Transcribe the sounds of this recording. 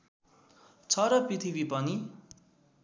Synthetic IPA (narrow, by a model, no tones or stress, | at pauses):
t͡sʰʌɾʌprit̪ʰibipʌni